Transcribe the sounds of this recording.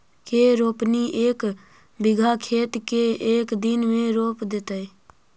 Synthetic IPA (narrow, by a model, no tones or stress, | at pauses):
keɾoːpniʔeːk | bɪɡʱakʰeːt̪keeːkd̪ɪnmẽɾoːpd̪et̪əe